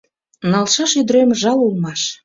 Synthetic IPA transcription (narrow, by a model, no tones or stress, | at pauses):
nɑlʃɑʃyd̪ɾemʒɑlulmɑʃ